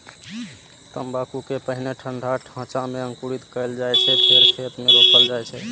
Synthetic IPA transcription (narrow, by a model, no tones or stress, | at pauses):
t̪əmbakukepəɦineʈʰəɳɖʱaʈʰãt͡ʃameəŋkuɾit̪kəjld͡ʒajt͡ʃʰɛp̪ʰeɾkʰet̪meɾokʰəld͡ʒajt͡ʃʰɛ